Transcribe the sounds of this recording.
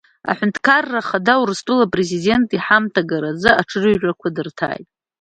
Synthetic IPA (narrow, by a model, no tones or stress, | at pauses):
a̰ħʷᶣʊntʰkʰarːaχadawrstʼulapʼre̞zide̞ntʼiħamtʰaɡaɾazɨaʈ͡ʂʰɨrɨɥʒʷᶣakʷʰadɨrtʰa̰ːjtʼ